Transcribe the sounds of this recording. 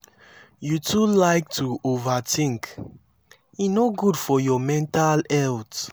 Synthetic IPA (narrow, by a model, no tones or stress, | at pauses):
jutulaɪk̚tʰuovatʰĩŋk | inoɡudfɔjɔmɛ̃ntalɛlt